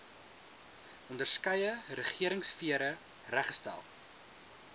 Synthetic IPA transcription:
ʔɔndərskəjəɾəχiəɾəŋsfiəɾə | ræχstæ̰lˠ

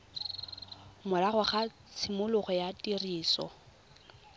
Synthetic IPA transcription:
mʊlaχʊχa | t͡sʰɪmʊlʊχɔjatʼiriːsɔ̰

